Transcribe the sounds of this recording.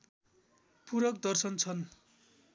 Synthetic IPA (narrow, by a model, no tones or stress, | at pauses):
puɾʌkd̪ʌrsʌnt͡sʰʌn